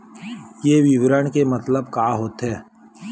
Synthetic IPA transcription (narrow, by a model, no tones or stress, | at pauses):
jeːʋiʋɾəɳkemət̪ləbkaːɦoːt̪ɦɛː